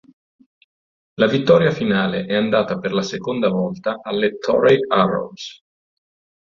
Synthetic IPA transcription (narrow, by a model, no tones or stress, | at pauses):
lavit̪ːɔːɾjafinaːleʔɛand̪aːt̪aperlasekond̪avɔlt̪aʔalːet̪ʰɔɾejaro̰ls